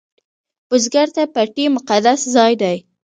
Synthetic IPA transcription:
b̥ʊzɡaɾt̪apaʈimʊqad̪aszɑjd̪aj

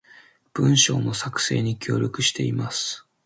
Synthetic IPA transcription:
b̥ɯ̃ɰ̃ɕo̞ːno̞sakɯ̟̥se̞̰ːɲ̟ikʲʰo̞ːɾʲokɯ̟ɕi̥t̪e̞imasɨ̥

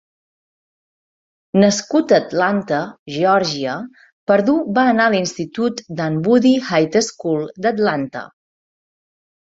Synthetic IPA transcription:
nəskut̪ət̪lant̪əʒɔɾʒiə | pəɾðuβaːnaəlinst̪it̪ut̪d̪ambuðihajt̪əskulˠd̪ət̪lant̪ə̰

